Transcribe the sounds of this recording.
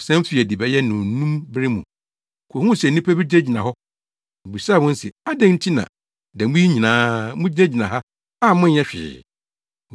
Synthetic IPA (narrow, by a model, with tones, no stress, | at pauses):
sɛ̃˦m˦fɪ˦˨æ˨di˨bɛ˨˦jɛ˦nʊ̃˨˦nũ˦mbɪ˦ɾɪ˦mṵ̃˨ | kʷʰo˨hũ˦˨sɛ˨nĩ˦pʰæ˦bɪ˦d͡ʑe˦˨d͡ʑi˨nã˨ɦɔ˦˨ | bi˨saː˦˨wɔ̃˦n̩˦sɛ̰˨a˦dɛ̃˦ŋn̩˦tʰi˦nã̰˨ | dɛ˨mũ˦i˦ɲĩ˨nãː˦mũ˦d͡ʑi˦ne˦d͡ʑi˨nã˨ɦa˦ | a˦˨mʊ̃˦ɛ˦ɕᶣɪ̰ː˨